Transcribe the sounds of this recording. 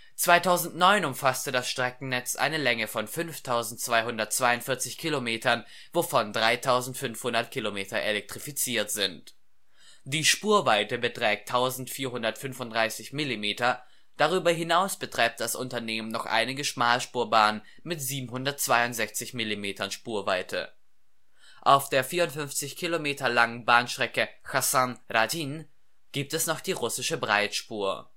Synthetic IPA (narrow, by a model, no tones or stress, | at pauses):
t͡sv̥aɪtʰaʊzn̩tnɔʏnʊmfastədasʃtʁ̥ɛkŋ̩nɛt͡sʔa̰ɪnəlɛŋəfɔnfʏnftʰaʊzn̩tt͡sv̥aɪɦʊndɐt̚t͡sv̥aɪʊntfɪɐt͡sɪçkʰilomeːtɐn | vofɔndʁaɪtʰaʊzn̩tfʏnfhʊndɐt̚kʰilomeːtɐʔelɛk̚tʁ̥ifit͡siːɐtz̥ɪnt | d̥iːʃpuːɐvaɪtəbətʁ̥ɛːk̚tʰaʊzn̩tfiːɐhʊndɐtfʏnfʊntd̥ʁaɪsɪçmɪlimeːtɐ | d̥aʁyːbɐɦɪnaʊsb̥ətʁ̥aɪp̚t̚d̥asʔʊ̰ntɐneːmənnɔχʔa̰ɪnɪɡəʃmaːlʃpuːɐbaːnən | mɪtz̥iːbm̩ɦʊndɐtt͡sv̥aɪʊntz̥ɛçt͡sɪçmilimeːtɐnʃpuːɐvaɪtʰə̰ | ʔaʊfd̥eːɐfiːɐʁʊntfʏnft͡sɪçkʰilomeːtɐlaŋənbaːnʃtʁ̥ɛkəxasãnʁatin | ɡ̥iːp̚tɛsnɔχd̥iːʁʊsɪʃəbʁaɪtʃpuːɐ